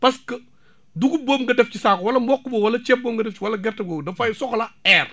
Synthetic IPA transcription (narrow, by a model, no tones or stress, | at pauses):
pɐskə | duɡuboːmɡɐdɛfcisaːkwɐlɐmbɔkːubowɐlɐt͡ʃɛp̚boːmɡɐdɛft͡ʃiwɐlɐɡɛrtɐɡoːwdɐfɐjsɔxlɐɛːr